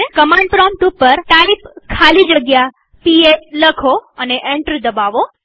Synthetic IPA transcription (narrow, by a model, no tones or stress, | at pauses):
ekəmaɳɖpɾɔmʈupəɾt̪alipkʰalid͡ʒəɡja | pieləkʰoəneʔeɳʈɾid̪əbaʋo